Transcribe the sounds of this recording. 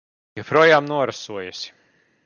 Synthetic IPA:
jɛpɾuɔjaːmnuɔɾasuɔjasʲi̥

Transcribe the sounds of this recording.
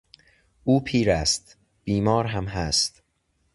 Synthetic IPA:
ʔuːpʰiːɾæst̪ | b̥iːmɒːɾɦæmɦæst̪

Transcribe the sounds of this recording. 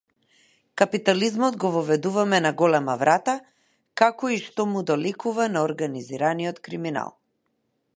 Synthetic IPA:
kapit̪alizmɔd̪ɡɔvɔvɛd̪uvamɛnaɡɔlɛmavɾat̪a | kakɔiʃt̪ɔmud̪ɔlikuvanaɔɾɡaniziɾaniɔt̪kɾimina̰lˠ

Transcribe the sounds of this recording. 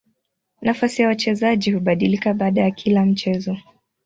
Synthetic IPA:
nafasijawat͡ʃɛzaʄihuɓaɗilikaɓaːɗajakʰilam̩t͡ʃɛzɔ

